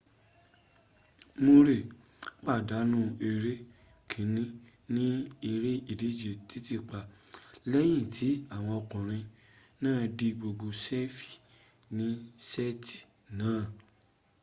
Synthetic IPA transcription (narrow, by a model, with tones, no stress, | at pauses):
mo˧ɾe˦˨ | k͡pa˦˨da˨˦nũ˦e˧ɾe˦ | kʰĩ˨˦nĩ˦ | nĩ˦e˧ɾe˦i˦˨li˨˦d͡ʒe˨ti˦ti˦˧˨k͡pa˨lɛ˦j̃ĩ˦˨tʰi˨˦a˦˨w̃ɔ̃˧ɔ˧kũ˨ɾ̃ĩ˧ | nãː˦˨di˦ɡ͡bo˧ɡ͡bo˧sɛ˦fi̥˨ | nĩ˦sɛ˦ti̥˨ | nãː˨˦˨